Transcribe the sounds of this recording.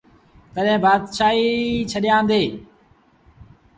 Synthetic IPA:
t̪əɗɦẽːbaːd̪ʃaːɦiːt͡ʃʰəɗɪjãːnd̪eː

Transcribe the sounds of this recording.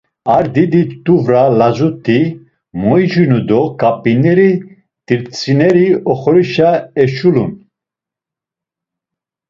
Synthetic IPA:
aɾd̪id̪it̪ʼuvɾalazut̪ʰi | mɔjd͡ʒunud̪ɔkʼapʼinɛɾi | t̪iɾt͡sʰʼinɛɾiɔχɔɾiʃaɛʃulun

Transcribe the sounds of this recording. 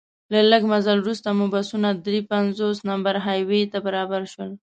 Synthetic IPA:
laləɡmazalwɾust̪amubasunad̪ɾipanzosnambaɾɦajwet̪abaɾɑbaɾʃwəl

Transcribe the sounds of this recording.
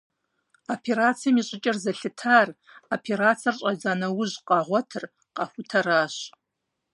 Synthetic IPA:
opʰeɾaːt͡sʰijɐmiɕʼɪt͡ʃʼɐrzɐɬɨtʰaːr | opʰeɾaːt͡sʰɐrɕʼɐzaːnɐwʊʑqʼɑːʁʷɔtʰɨr | qɑxʷʊtʰɐɾaːɕ

